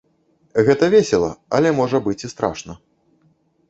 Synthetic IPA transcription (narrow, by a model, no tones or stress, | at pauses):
ɣɛt̪ɐvʲesʲɛlˠɐɐ̰lʲɛmɔʐɐbɨt͡sʲist̪ɾa̰ʂnɐ